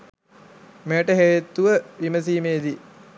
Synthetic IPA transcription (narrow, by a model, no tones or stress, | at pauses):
mejʈəɦejet̪ːuʋəʋiməs̬iːmeːd̪i